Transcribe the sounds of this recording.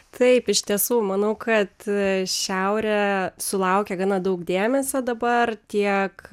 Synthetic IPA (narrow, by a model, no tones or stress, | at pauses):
t̪ʰɐɪpɪʃt̪ʲiɛsuːmɐnɐʊkɐt̪ʃʲɛʊɾʲɛsʊlˠɐʊkʲɛɡɑːnɑd̪ɐʊkd̪ʲeːmʲɛsʲod̪ɐbɐrt̪ʲiɛk